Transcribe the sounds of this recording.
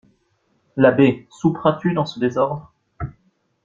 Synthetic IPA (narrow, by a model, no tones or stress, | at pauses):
labesupχɛ̃t̪yd̪ɑ̃səd̪ezɔʁd̪ʁ